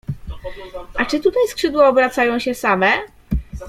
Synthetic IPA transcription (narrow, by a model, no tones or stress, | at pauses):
ʔat͡ʂɘt̪ut̪ajskʂɘd̪waɔbɾat̪sajɔ̃w̃ɕɛsamɛ